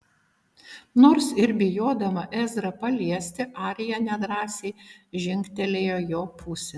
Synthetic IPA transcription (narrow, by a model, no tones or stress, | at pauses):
noːɾsɪɾbʲɪjoːd̪ɐmɐʔɛzʲɾɐpɐlʲiɛsʲt̪ʲɪʔɑːɾʲɪjɛnʲɛd̪ɾɑːsʲeɪʒʲɪŋʲkt̪ʲɛlʲeːjoːjoːpʰʊsʲɛ